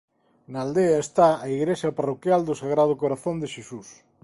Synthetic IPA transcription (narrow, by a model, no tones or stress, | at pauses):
naːld̪eɐest̪aːiɣɾesɐparokjald̪ʊsaɣɾað̞ʊkoɾaθond̪eʃesus